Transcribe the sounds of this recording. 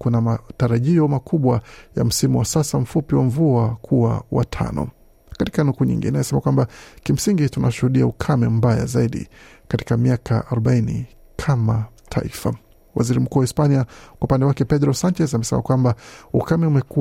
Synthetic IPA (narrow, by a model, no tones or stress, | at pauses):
kunamataɾaʄiɔmakʰuɓwaja̰m̩simuwasasam̩fupiwaɱvuakʰuawa̰tʰa̰nɔ̰ | kati̥kanukuːɲḭŋɡḭnɛajɛsɛmakwambakim̩siŋɡitunaʃuhuɗiaukʰamɛm̩baja̰zaiɗḭkati̥kamiaka̰ʔaɾɔɓainḭ | kʰama | tʰa̰ḭfa̰ | wa̰ziɾim̩kuːwaispaniakwaupandɛwakɛpɛdɾɔsant͡ʃɛzamɛsɛmakwambaukamɛumɛku